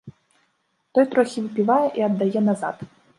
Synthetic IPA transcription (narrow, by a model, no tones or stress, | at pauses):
t̪ɔjt̪ɾɔxʲivɨpʲivajɛʔiɐd̪ːajɛnaza̰t̪